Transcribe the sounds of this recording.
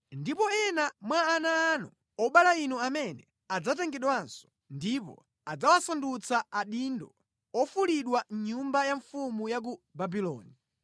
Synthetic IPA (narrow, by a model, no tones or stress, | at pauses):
ndipɔɛnamwaːnaːnɔ | ɔɓalainuamɛnɛ | ad͡zatɛŋɡɛɗwansɔ̥ | ndipɔ̰ | ad͡zawasandut͡saaɗindɔ | ɔfuliɗwaɲumbajaɱfumujak̬ubabilɔ̰ːni